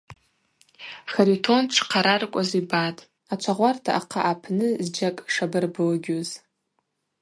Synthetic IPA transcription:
χaɾitʰo̞nʈ͡ʂʰqʰaɾarkʷʼazibatʼ | at͡ʃʷʰaʁʷartʰaʔaqʰaʔapʰnɨzd͡ʒakʼʂabɨrbɨlɡʲoz

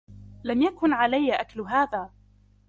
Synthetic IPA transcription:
lamjakʊnʕalajːʔakalɦaːðaː

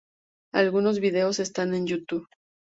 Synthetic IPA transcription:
alɣuno̞zβiðe̞o̞se̞st̪ane̞njut̪uβ

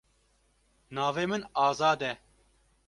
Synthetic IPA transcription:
nɑːveːmɨnɑːzɑːd̪ɛ

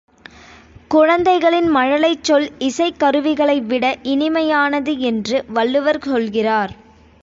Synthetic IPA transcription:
kʊɻɐnd̪ɐɪɣɐɭɪnmɐɻɐɭɐɪt͡ʃːɔlɪsɐɪkːɐɾɯʋɪɣɐɭɐɪʋɪɽɐʔɪnɪmɐjaːnɐðɯɛndrɯʋɐɭːɯʋɐɾsɔlɣɪraːɾ

